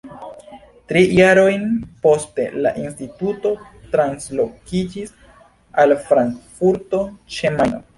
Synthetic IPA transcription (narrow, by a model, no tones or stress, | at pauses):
tɾijaɾo̞jnpo̞ste̞̰la̰ʔinstituto̞ | tɾanslo̞kkid͡ʒis | alfɾaŋkfuɾto̞t͡ʃemano̰